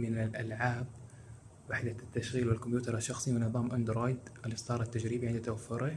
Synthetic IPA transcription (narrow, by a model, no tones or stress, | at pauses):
mɪnalʔalʕaːb̚ | waħd̪at̪ːaʃɣiːlwɪlkʊmjuːt̪ɑɾˤaʃːɑxsˤiwɪnɑbɑːmʔand̪ɾoːjd̪ʔalɪsˤt̪ˤɑːɾˤat̪ːad͡ʒɾiːbiʕɪnd̪t̪awafːʊɾɪ